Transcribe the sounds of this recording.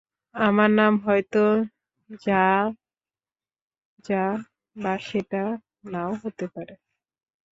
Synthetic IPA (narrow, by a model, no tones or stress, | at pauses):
amaɾnamɦɔjt̪o | d͡ʑa | d͡ʑa | baʃeʈa | naoɦot̪epaɾe